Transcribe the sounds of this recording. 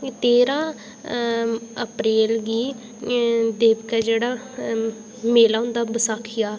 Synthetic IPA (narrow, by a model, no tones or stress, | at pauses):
t̪eːɾãː | əpɾeːlɡiː | d̪eːbkɛːd͡ʒeːɽaː | meːlaːɦʊnd̪aːbəsaːkʰɪjaː